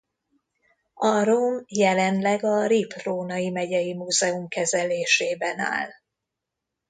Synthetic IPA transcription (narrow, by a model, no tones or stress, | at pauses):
ɒɾoːmjɛlɛnlɛɡɒɾiproːnɒjimɛɟɛjimuːzɛumkɛzɛleːʃeːbɛna̰ːl